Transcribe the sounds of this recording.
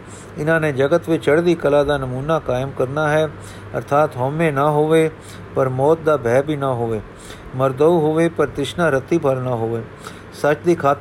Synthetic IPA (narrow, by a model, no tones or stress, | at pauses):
ɪnãːnẽd͡ʒəɡət̪ʋet͡ʃəɽd̪ikɐlad̪anɐmuːnakaːjəmkəɾnaɦɛ | ɐ̰ɾt̪ʰaːt̪ɦɔːmenəɦoːʋe | pɐɾmɔːt̪̚d̪abʱɛːbʱinəɦoːʋeː | məɾd̪əuɦoːʋepɐɾt̪ɪʃnaɾət̪ibʰʱəɾnaɦoːʋeː | sət͡ʃd̪iːkʰaːt̪